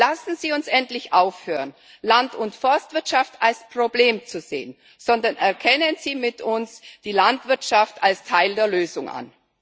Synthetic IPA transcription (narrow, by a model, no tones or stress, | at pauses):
lasn̩ziːʊnsʔɛntlɪçʔaʊfhøːʁən | lantʊntfɔɐstv̥ɪɐtʃaftʰalspʁ̥obleːmt͡suzḛːən | z̥ɔndɐnʔɛɐkʰɛnənz̥iːmɪtʊnsd̥iːlantv̥ɪɐtʃaftalstʰaɪldeːɐløːzʊŋʔa̰n